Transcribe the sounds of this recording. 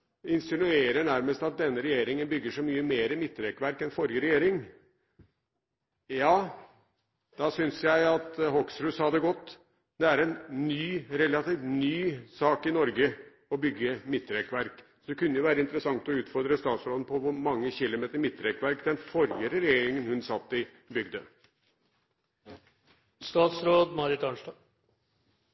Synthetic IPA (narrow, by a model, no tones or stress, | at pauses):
ɪnsɪnʉeːɾəɳæɾməst̪ɑt̪̚d̪ɛnːəɾɛjeːɾɪŋənbʏɡːəʂɔmyːəmeːɾəmɪt̪ːɾɛkʋæɾkɛnfɔɾjəɾɛjeːɾɪŋ | jɑː | d̪̥ɑsʏnsjæɪɑt̪ɦɔksɾʉsɑd̪əɡɔt̪ː | d̪̥ɛæɾɛnːyːɾɛlɑt̪ʰiːʋ̪nyːsɑːkɪnɔɾɡə | ɔbʏɡːəmɪt̪ːɾɛkʋæɾksɔd̪ɛkʉnːəjʊʋæːɾəɪnt̪əɾəsɑŋt̪ɔʉːt̪fɔɾd̪ɾəst̪ɑːt̪sɾoːd̪n̩pʰɔʋʊɾmɑŋːəçɪlʊmeːt̪əɾmɪt̪ːɾɛkʋæɾkd̪ɛnfɔɾjəɾəɾɛjeːɾɪŋənhʉnsɑt̪ːɪ | bʏɡd̪ə | st̪ɑːt̪sɾoːd̪mɑɾɪt̪ʰɑɳʂʈɑ